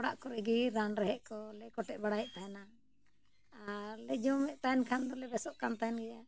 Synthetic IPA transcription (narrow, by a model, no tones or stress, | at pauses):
kɔɽa̰ʔkɔɾɛɡiɾanɾɛɦɛʔkɔlɛkɔʈɛʔ̚baɽajʔt̪ana | aɾlɛd͡ʒɔmɛʔt̪aɛnkʰand̪ɔlɛbɛsɔʔkant̪aɛnɡɛja